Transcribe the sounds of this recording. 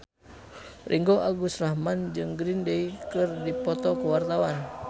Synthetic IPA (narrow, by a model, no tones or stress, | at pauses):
rʔiŋɡoʔaɡusrahmand͡ʒɨŋɡɾindeikɨrdipɔt̪ɔkuwart̪awan